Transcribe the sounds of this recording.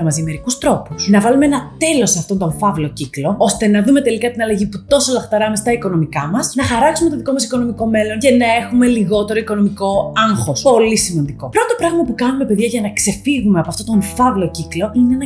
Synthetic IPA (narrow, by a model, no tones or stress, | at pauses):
mɐzimeɾikust̪ɾo̞pusnɐvɐlumeenɐt̪e̞lo̞sɐft̪o̞nt̪o̞ɱfɐvlo̞ciklo̞o̞st̪e̞nɐðume̞t̪e̞likɐt̪inɐlɐʝiput̪o̞solɐxt̪ɐɾɐmest̪ɐiko̞no̞mikɐmɐsnɐxɐɾɐksumet̪oðiko̞mɐsi̥ko̞no̞miko̞me̞lo̞nce̞nɐe̞xume̞liɣo̞t̪e̞ɾoiko̞no̞miko̞ɐŋxospo̞lisimɐnd̪iko̞̰pɾo̞t̪o̞pɾɐɣmɐpukɐnume̞peðʝɐʝɐnɐkse̞fiɣume̞ɐpoɐft̪ot̪o̞ɱfɐvlo̞ciklo̞ineenɐ